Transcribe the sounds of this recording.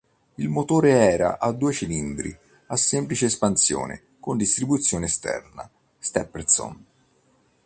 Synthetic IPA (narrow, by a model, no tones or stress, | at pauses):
ilmot̪oːɾeɛːɾa̰ʔad̪ːuːet͡ʃilind̪ɾḭ | asːɛmplit͡ʃeːspansjo̰ːnḛ | kond̪ist̪ɾibut̪sːjoːneːst̪ɛ̰rna̰ | st̪ɛpːeɾt̪sɔ̰n